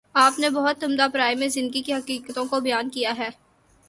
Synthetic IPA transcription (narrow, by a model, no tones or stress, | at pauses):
aːpnebɐɦʊt̪ːʊmd̪apɾaːimẽzɪ̃nd̪əɡikeɦɐqiːkət̪õkobɐjaːnkijaɦɛː